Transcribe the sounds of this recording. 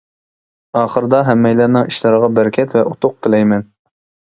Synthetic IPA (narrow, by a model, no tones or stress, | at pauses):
ɑːχəɾɨd̪ɑɦɛmːɛjlæɾnɨŋiʃlɑɾəʁɑbæɾkʲʰɛt̪vɛʔut̪ʰʊq̚q̪ʰɨlɛjmɛn